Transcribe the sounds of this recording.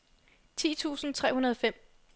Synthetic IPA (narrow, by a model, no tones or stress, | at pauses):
t͡sʰḭːt͡sʰṵːsn̩t͡sʰʁɛ̰ːunɐð̞ˠfem̰